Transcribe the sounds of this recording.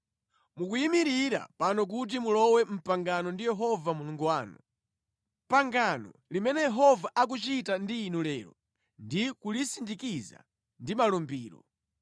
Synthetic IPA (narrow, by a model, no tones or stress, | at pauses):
muk̬ujimiɾiɾa̰panɔk̬ut̬imulɔwɛm̩paŋɡanɔndijɛɦɔvamuluŋɡuwaːnṵ | mpaŋɡanɔ̰limɛnɛjɛɦɔvaʔak̬ut͡ʃitandiːnulɛːɾɔ̰ | ndikulisindikiza̰ | ndimalumbiːɾɔ̰